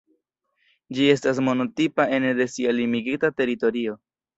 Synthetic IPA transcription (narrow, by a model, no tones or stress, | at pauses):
d͡ʒie̞stas̬mo̞no̞tipae̞nde̞sialimiɡitate̞ɾito̞ɾio̞